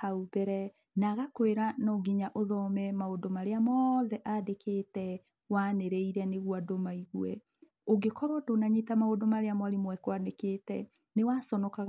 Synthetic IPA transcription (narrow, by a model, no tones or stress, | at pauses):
aubɛɾɛ | naɣakoeɾanɔɡiɲaʔoðɔmɛmaodomaɾeamɔðɛʔadekeːtɛ | waneɾeiɾɛneɣwadomaiɣwɛ̰ | oɡekɔɾɔdonaɲetamaodomaɾeamwaɾemwɛkwanekeːtɛ̰ | newasɔnɔkaɣ